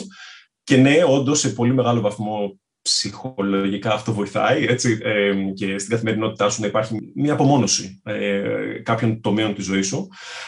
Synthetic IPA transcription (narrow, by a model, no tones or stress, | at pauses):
ce̞ne̞o̞nd̪o̞se̞po̞lime̞ɣɐlo̞vɐθmo̞ | psixo̞lo̞ʝikɐːft̪o̞vo̞iθɐ̰ie̞t͡siece̞st̪iɡɐθime̞ɾino̞t̪it̪ɐsunɐipɐɾçimɐːpo̞mo̞no̞siekɐpço̞nt̪o̞miont̪izo̞isu